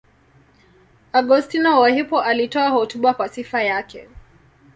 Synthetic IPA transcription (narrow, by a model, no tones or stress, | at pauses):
aɡɔstinɔwahipɔʔalitɔahɔtuɓakwasifajakʰɛ̰